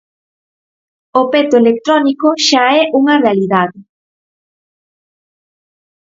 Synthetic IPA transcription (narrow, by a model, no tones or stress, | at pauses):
opet̪oelek̚t̪ɾɔnikoʃaɛʔuŋɐrealiðaðɪ